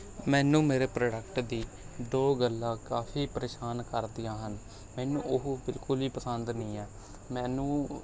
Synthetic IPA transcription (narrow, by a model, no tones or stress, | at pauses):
mɛ̃ːnũːmeːɾeːpɾoːɖəkʈd̪iː | d̪oːɡəlːãːkaːfʰiːpəɾeːʃaːnkəɾd̪ɪjãːɦən | mɛːnũːʔʊɦuːbɪlkʊliːpəsənd̪nĩːɛː | mɛːnũː